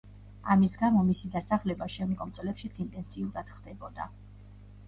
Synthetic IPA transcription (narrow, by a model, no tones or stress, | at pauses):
a̰misɡamɔmisid̪asaχlɛbaʃɛmd̪ɡʼɔmt̪sʼlɛpʃit̪sʰint̪ʼɛnsiuɾad̪̥χd̪ɛbɔd̪a̰